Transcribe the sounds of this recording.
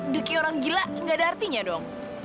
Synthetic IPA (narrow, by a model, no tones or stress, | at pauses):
dəkioɾaŋɡilaʔŋɡadaːrt̪iɲadɔŋ